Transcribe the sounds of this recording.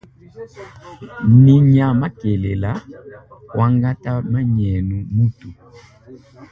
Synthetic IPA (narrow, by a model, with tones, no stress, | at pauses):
ni˨ɲa˨ma˦ke˨lɛ˨la˦ | wʔa˦ŋɡa˦ta˦ma˦ɲɛ˨nu˨mu˦tu˨